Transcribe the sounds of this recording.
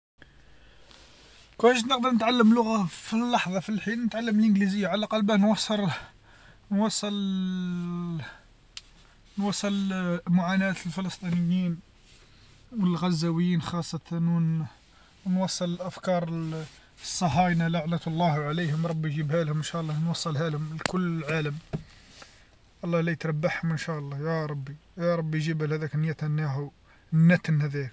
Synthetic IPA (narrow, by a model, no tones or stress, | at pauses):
kʊəʃt̪nəq̚d̪əɾˤnət̪ʕalːəmlːʊɣafilːɑħðˤɑfilħinnət̪ʕalːəməlʔənɡlizəjːaʕalæqɑlbænwɑsˤːəɾˤ | nwɑsˤːəl | nwɑsˤːəlmʊʕanæt̪lfələst̪ˤinəjːin | wəlɣæzːæwəjːinxɑsˤːɑt̪ɑn | nwɑsˤːələlʔæfkɑɾˤ | sˤːɑɦɑjnalaʕnæt̪lˤːɑhwʕalijhʊmɾˤɑbːijʒibhælhʊmənʃæʔlˤːɑnwɑsˤːəlhælhʊmlkʊlːəlʕaləm | ʔɑlˤːɑlæjət̪ɾˤɑbːaħhʊmʔənʃæʔɑlˤːɑjɑɾˤɑbːijɑɾˤɑbːijʒibhælhæd̪æknjæt̪ænːæɦu | nːæt̪nhæd̪æk